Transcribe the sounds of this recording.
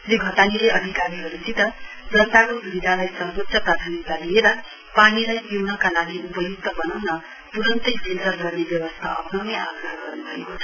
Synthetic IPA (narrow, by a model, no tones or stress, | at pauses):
leɡʱʌt̪anileʌd̪ʱikaɾiɦʌɾusit̪ʌ | d͡zʌnt̪akosubid̪ʱalajsʌrbosʌprad̪ʱanit̪alieɾʌ | paɽ̃ilajpiwnʌkalaɡiupʌjuk̚t̪ʌbʌnawnʌ | p̪uɾʌnt̪ʌjsʰelt͡sʌrɡʌrnebjʌwʌst̪ʰa̰ʔʌ̰pnʌwnea̰ɡrʌɦɡʌrnubʱʌḛkot͡sʰʌ